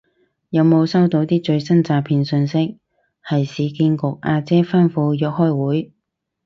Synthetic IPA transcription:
jɐ˨˧wmo˨˧wsɐ˥wt̪o˨˧˥wt̪iː˥t͡ʃɵ˧ɥsɐ˥nt͡saː˧pʰiː˧nsɵ˧nsɪ˥k̚ | hɐ˨˩jsiː˨˧kiː˧nkʊ˨k̚ʔaː˧t͡sɛː˥fɐ˥nfuː˧jœː˨k̚hɔː˥jwuː˨˥j

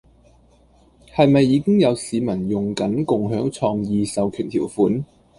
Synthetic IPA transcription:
hɐ˨jmɐ˨jːiː˨˧˥kɪ˥ŋjɐ˨˧wsiː˨˧mɐ˨˩njʊ˨˩ŋkɐ˨˥nkʊ˨ŋɦœː˨˥ŋt͡sʰɔː˧ŋjiː˨˧sɐ˨wkʰyː˨˩nt̪ʰiː˨˩wfuː˨˥n

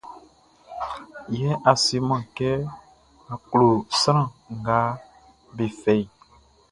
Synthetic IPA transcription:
jɛ˦a˨si˨˦mã˨kɛ˦ | a˨klo˨sɾã˦˨ŋ̩˨ɡa˨˦ | be˨fɛ˨i˨

